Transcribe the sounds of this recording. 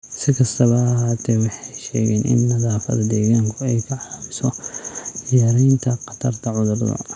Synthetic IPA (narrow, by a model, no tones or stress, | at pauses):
sɪkʰɐst̪ʰɐβɐːɦaːt̪ʰɛwɑħɑjʃɛːɣɛːnʔɪ̰nːɐðaːfɐ̰ðɐd̪ɛːɣaːŋkʰʊɛjkʰɐʕɑlaːmɪsɔ | jjaːɾɛjnt̪ʰɐqɑt̪ʰɐrt̪ʰɐʕʊðʊrd̪ɐ̰